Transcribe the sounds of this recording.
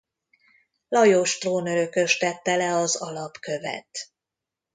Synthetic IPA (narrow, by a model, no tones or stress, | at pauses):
lɒjoːʃt̪roːnøɾø̞kø̞ʃt̪ɛt̪ːɛlɛɒzɒlɒpkø̞vɛ̰t̪